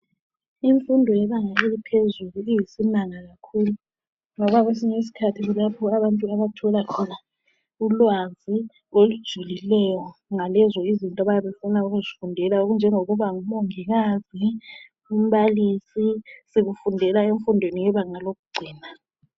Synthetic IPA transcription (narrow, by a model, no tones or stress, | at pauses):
iɱfundʱɔjɛβaŋaelipʰezuluijisinaŋaɣakʰuːlu | ŋɔβaɣwes̬iɲs̬i̥kʰatʰiɣulapʰɔaβantʼuaβatʰɔlakʰɔna | ulwazi | olud̥ʒ̥ʱulilɛjɔŋalɛzɔizintʼɔβajaβefunauɣuzifundʱɛlaoɣund͡ʒʱɛŋoɣuβaŋumɔŋɛɣazi | um̩βaliːsisiɣufundʱɛlaeɱfundʱwenijɛβaŋaloɣuɡ͡ǀʱiːna